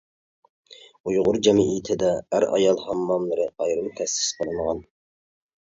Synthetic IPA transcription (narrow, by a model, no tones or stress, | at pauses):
ujʁʊɾd͡ʒɛmiit̪ʰɪd̪ɛæɾɑ̰jɑlˠhɑmːɑmlˠɨɾɨɑjɾɨmt̪ʰɛsːɪ̥sqʰəlˠɨnʁɑn